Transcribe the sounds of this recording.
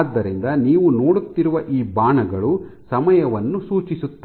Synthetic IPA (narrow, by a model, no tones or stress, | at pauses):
d̪ːɐɾind̪ɐniːʋuno̞ːɽut̪ːiɾuʋɐʔiːbaːɳɐɡɐɭusɐmɐjɐʋɐnːusuːt͡ʃisut̪ː